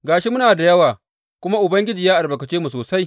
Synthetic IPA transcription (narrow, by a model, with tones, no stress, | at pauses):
ɡaː˨ʃi˦mʊ˦naː˨da˨jɐ˦waː˨ | kʷʊ˦ma˦ʔʊ˨bɐ˦ŋɡʲɪ˦d͡ʒiː˨jaː˦ʔa˨rbɐ˨kɐ˨t͡ʃeː˦mu˨soː˨sa˦j